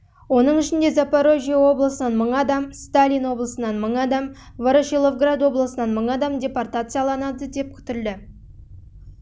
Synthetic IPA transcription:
wo̞nəɴɪʃɪnd̪e̞zapaɾo̞ʒijawo̞blˠəsənɑnməɴɑd̪ɑmst̪alʲijnwo̞blˠəsənɑnməɴɑd̪ɑm | voɾoʃilˠovɡrad̪wo̞blˠəsənɑnməɴɑd̪ɑmdʲe̞port̪at̪sɨjɑlˠɑnɑd̪əd̪e̞p̚kʲʰʏ̥t̪ɪld̪ɪ

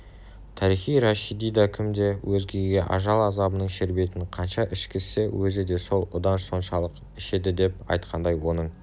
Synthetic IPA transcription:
t̪ʰɑɾiχijɾɑʃid̪ijd̪ɑkʲʰɪmd̪e̞wʔɵzɡʲe̞ɡʲe̞ʔɑ̰ʒɑlˠɑzɑbənəɴʃɪɾbe̞t̪ɪnqʰɑnʃɑʔɪʃkʲʰɪsewʔɵzɪd̪e̞so̞lˠʊd̪ɑnso̞nʃɑlˠəq | ɪʃe̞d̪ɪd̪e̞p̚ɑ̰jt̪qʰɑnd̪ɑjwo̞nəɴ

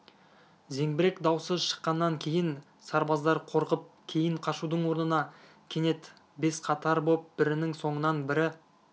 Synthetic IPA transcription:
ze̞ŋbɪɾe̞kd̪ɑwsəzʃə̥qːɑnːɑŋkʲʰe̞jɪn | sɑɾbɑzd̪ɑɾqʰo̞ɾqəp̚kʲʰe̞jɪɴqʰɑʃud̪əɴwo̞ɾnənɑ | kʲʰe̞ne̞t̪ | be̞sqʰɑt̪ɑɾbo̞p̚bɪɾɪnɪŋso̞ɴənɑnbɪɾɪ

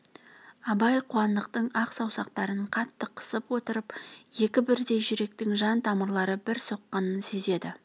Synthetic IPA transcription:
ɑbɑjqʰuɑnd̪əqt̪əɴɑqsɑwsɑqt̪ɑɾəɴqʰɑt̪ːəqʰə̥səpwo̞t̪əɾəpje̞kʲɪbɪɾd̪e̞jʒʏɾe̞k̚t̪ɪŋʒɑnt̪ʰɑməɾlˠɑɾəbɪɾso̞qːɑnənse̞ze̞d̪ɪ

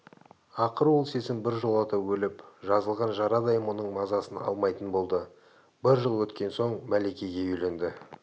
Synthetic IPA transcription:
ɑqəɾwolˠse̞sɪmbɪɾʒolˠɑt̪ɑpwɵlɪpʒɑzəlˠʁɑnʒɑɾɑd̪ɑjəmwo̞nəɴmɑzɑsənɑ̰lˠmɑjt̪ənbo̞lˠd̪ə | bɪɾʒəlˠwɵt̪kʲe̞nso̞ɴmæle̞kʲe̞ɡʲe̞ʏjle̞nd̪ɪ

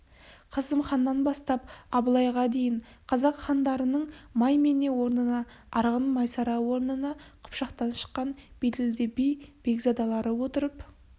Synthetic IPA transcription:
qʰɑzəmχɑnːɑnbɑst̪ɑpɑbəlˠɑjʁɑd̪e̞jɪɴ | qʰɑzɑqχɑnd̪ɑɾənəɴmɑjme̞ne̞wo̞ɾnənɑɑɾʁənmɑjsɑɾɑwo̞ɾnənɑqʰʊ̥pʃɑqt̪ɑnʃə̥qːɑnb̥ed̪ɪld̪ɪbijb̥eɡzɑd̪ɑlˠɑɾəwo̞t̪əɾəp

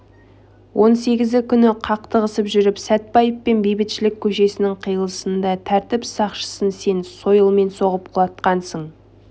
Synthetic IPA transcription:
wʔo̞nse̞ɡʲɪzɪkʲʰʏnɪqʰɑq̚t̪əʁəsəpʒʏɾɪpsæt̪̚pɑjəppe̞nbejbɪt̪ʃɪlɪkʲʰɵʃe̞sɪnɪŋqʰijəlˠəsənd̪ɑt̪ʰæɾt̪ɪpsɑqʃə̥sənse̞nso̞jəlˠme̞nso̞ʁəp̚qʰʊlˠɑt̪qɑnsəɴ

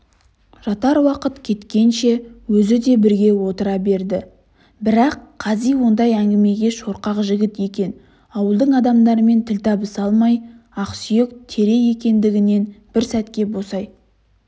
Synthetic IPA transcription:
ʒ̥ɑt̪ɑɾwɑqət̪kʲʰe̞t̪kʲe̞nʃe̞wɵzɪd̪e̞bɪɾɡʲe̞wo̞t̪əɾɑbe̞ɾd̪ɪ | bɪɾɑqʰːɑzijwo̞nd̪ɑjæŋɡʲɪme̞ɡʲe̞ʃo̞ɾqɑqʒɪɡʲɪt̪je̞kʲe̞n | ɑwəlˠd̪əɴɑd̪ɑmd̪ɑɾəme̞nt̪ʰɪlt̪ʰɑbəsɑlˠmɑjɑqsije̞kt̪ʰe̞ɾe̞je̞kʲe̞nd̪ɪɡʲɪne̞nb̥ɪɾsæt̪kʲe̞bo̞sɑj

